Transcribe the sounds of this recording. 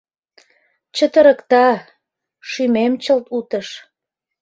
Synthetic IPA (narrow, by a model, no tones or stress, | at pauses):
t͡ɕət̪əɾəkt̪ɑ | ʃymemt͡ɕəlt̪ut̪əʃ